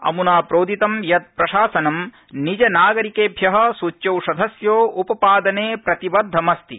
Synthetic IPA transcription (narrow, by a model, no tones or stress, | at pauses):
ɐ̰munaːpɾoːd̪ʱit̪ɐmjɐt̪̚pɾɐʃaːsɐnɐm | nid͡ʒɐnaːɡɐɾikeːbʱjɐɦɐ̆sut͡ʃːɐwʃɐd̪ʱɐsjoːupɐpaːd̪ɐneːpɾɐt̪ibɐd̪ʱːɐmɐst̪i